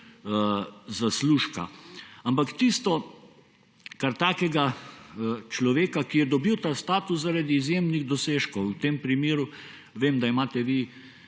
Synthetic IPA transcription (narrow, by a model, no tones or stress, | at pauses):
zasluːʃka̰ampakt̪ist̪ɔ | kaɾt̪aːkɛɡa | t͡ʃlɔʋeːkakijɛd̪ɔbiwt̪aːst̪aːt̪uszaɾad̪iːzjeːmniɣd̪ɔseːʃkɔwt̪empɾimeːɾu | ʋeːmd̪aimaːt̪ɛʋi